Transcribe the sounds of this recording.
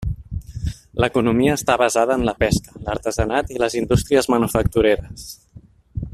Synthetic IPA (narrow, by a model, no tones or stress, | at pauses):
ləkunumiəːst̪aβəzaðəːnləpɛskə̥ləɾt̪əzənat̪iləzind̪ust̪ɾiəzmənufək̚t̪uɾeɾəs